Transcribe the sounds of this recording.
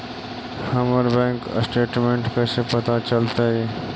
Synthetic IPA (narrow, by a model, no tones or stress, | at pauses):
hɐməɾbɛ̃ːŋksʈeːʈmẽːɳʈkəsepɐt̪at͡ʃəlt̪aɦɛː